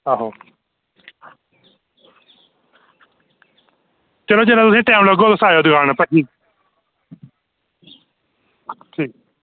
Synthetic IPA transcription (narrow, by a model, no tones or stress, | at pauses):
aːɦoː | t͡ʃəloːd͡ʒeːnãːt̪ʊsĩːʈɛːmləɡoːt̪ʊsaːjoːd̪ɪɡaːñapəɦiː | ʈʰiː